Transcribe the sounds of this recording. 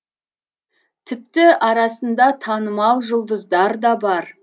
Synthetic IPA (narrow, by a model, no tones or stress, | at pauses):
t̪ʰɪp̚t̪ɪʔɑɾɑsənd̪ɑt̪ʰɑnəmɑw̪ˠʒʊlˠd̪əzd̪ɑɾd̪ɑbɑɾ